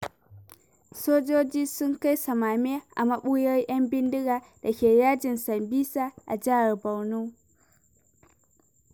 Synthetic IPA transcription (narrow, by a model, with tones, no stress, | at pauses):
soː˦d͡ʒoː˦d͡ʒiː˦sʊ˦ŋka˦jsɐ˨maː˨me˦ʔa̰˨mɐ˦ɓu˦jo˦i˦ʔɐ˦mbɪ˦ndi˦ɡaː˨ | d̥a˨kʲeː˨jaː˦d͡ʒɪ˨nsɐ˨mbiː˦sa˦ʔa̰˨d͡ʒa˦˨ba˨wnu˦